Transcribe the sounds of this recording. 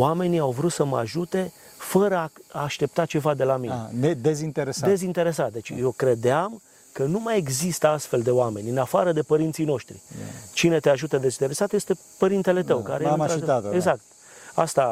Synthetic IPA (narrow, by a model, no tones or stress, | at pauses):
wame̞niawvɾut̪səməa̰ʒut̪e̞ | fəɾəaaːʃt̪e̞p̚t̪at͡ʃe̞vad̪e̞lamineed̪ezint̪eɾesdae̞zint̪e̞ɾe̞sat̪̚d̪et͡ʃjo̞kɾe̞d̪eam | kənumaje̞ɡzist̪əast̪fe̞ld̪e̞oame̞nʲɨnafaɾəd̪e̞pəɾint̪sijno̞ʃt̪ɾḭt͡ʃine̞t̪e̞aʒut̪əd̪e̞zint̪ee̞sat̪jest̪e̞ | pəɾint̪ele̞t̪əwka̰ɾejeɾat̪eɡzak̚t̪ | a̰st̪a